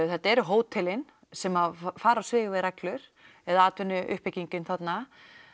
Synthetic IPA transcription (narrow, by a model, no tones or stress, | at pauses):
θɛht̪aɛɾɦoːwt̪ʰɪlɪn | sɛmaðfaːɾasvɪːɣvɛðɾaklʏɾ̥ | ɛðaaːt̪vɪnːʏʔʏ̰hpɪciɲcʏnθat̪na